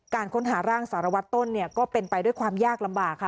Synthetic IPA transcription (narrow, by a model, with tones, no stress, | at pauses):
kaː˧nkʰo˦˥nɦaː˩˦ɾaː˥˩ŋsaː˩˦ɾa˧wa˦˥t̪ːo˥˩nːi˥˩ɐkɔː˥˩pe˧npa˧jdu˥˩jkʰwaː˧mjaː˥˩k̚la˧mbaː˨˩kʰːa˦˥˩